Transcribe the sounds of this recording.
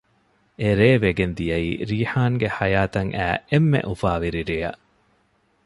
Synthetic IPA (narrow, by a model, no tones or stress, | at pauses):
eɾeːʋeɡend̪ijɐḭːɾiːħaːŋɡeħɐjaːt̪ɐŋʔæ̰ːemːḛʔufaːʋiɾiɾejɐ̰ʔ